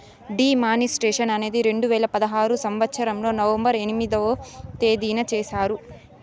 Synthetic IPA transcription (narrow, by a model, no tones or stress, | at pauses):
ɖiːmaːnisʈeːʂɐnɐne̞ːd̪iɾe̞ɳɖuʋɛːlɐpɐd̪ɐɦaːɾusɐmʋɐt̪ːʃʰɐɾɐmlo̞ːnɐʋɐmbɐɾe̞nimid̪oːt̪e̞ːd̪iːnɐt͡ʃeːsaːɾu